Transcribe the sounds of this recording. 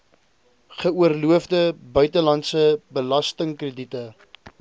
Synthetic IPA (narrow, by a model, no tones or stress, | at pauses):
χəuərluəvdəbœɥtəlɐntsəbəlɐstəŋkrəditə